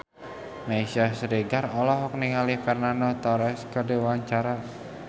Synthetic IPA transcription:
maisasəɾeɡarɔlɔɦɔk̚niŋalikarnanɔt̪ɔɾɛskədewaɲt͡ʃaɾa

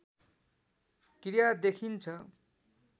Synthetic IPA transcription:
krijad̪ekʰint͡sʰʌ

